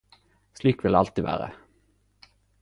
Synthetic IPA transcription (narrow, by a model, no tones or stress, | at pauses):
sliːkʋɪlɑlt̪iːʋæ̰ːʁə̰